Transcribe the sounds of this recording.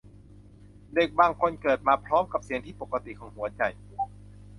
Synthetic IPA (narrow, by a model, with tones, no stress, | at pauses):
de˨˩k̚baː˧ŋkʰo˧nkɤː˨˩t̪̚maː˧pʰɾɔː˦˥mka˨˧˩p̚si˨˩˦ŋt̪ʰiː˥˩po˨˩kːa˧t̪ḭ˨kʰɔː˨˩˦ŋhu˨˩˦ɐt͡ɕa˨˩j